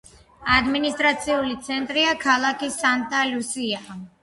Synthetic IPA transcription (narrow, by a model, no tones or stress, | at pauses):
ad̪minist̪ʼɾat̪sʰiulit̪sʰɛnt̪ʼɾiakʰalˠakisant̪ʼalusia